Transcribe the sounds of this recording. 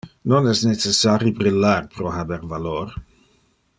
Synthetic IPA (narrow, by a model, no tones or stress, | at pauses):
nonɛsnet͡sesaɾjibɾilːarpɾoɦabɛɾvalor